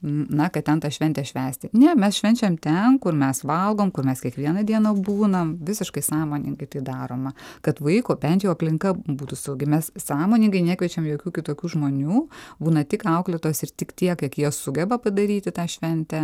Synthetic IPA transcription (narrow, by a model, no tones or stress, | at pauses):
nɐkɐtt̪ʲɛnt̪ɑʃʲʋʲɛnʲt̪ʲɛʃʲʋʲæːsʲt̪ʲɪnʲɛmʲɛsʃʲʋʲɛnʲt͡ʃʲɛmt̪ʲɛnkʊrmʲɛsʋɐlˠɡoːmkʊrmʲɛskʲiɛkʋʲiɛnɐd̪ʲiɛnobuːnɐmʋʲɪsʲɪʃkɐɪsɑːmoːnʲɪŋɡɐɪt̪ɐɪd̪ɑːɾoːmɐkɐt̪ʋɐɪkoːbʲɛnt̪ʲjɛʊɐpʲlʲɪŋkɐbuːt̪ʊsɐʊɡʲɪmʲɛssɑːmoːnʲɪŋɡɐɪnʲæːkʲʋʲiɛt͡ʃʲɛmjoːkʲuːkʲɪt̪oːkʲuːʒmoːnʲuːbuːnɐt̪ʲɪkɐʊklʲɛt̪oːsɪrt̪ʲɪkt̪ʲiɛkjiɛkjiɛsʊɡʲɛbɐpɐd̪ɐɾʲiːt̪ʲɪt̪ɑːʃʲʋʲɛnʲt̪ʲæ